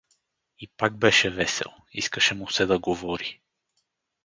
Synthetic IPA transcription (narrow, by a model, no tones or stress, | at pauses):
ipaɡ̚bɛʃɛvɛsɛ̰lˠ | ḭskəʃɛmusɛd̪ɐɡovɔɾi